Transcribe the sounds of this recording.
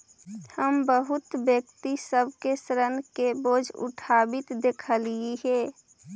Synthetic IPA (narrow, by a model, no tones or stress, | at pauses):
həmbəɦʊt̪bjəkt̪isəbʱkesəɾənkeboːd͡ʒʱʊ̰ʈʰabɪt̪d̪ekʰəliiɦɛ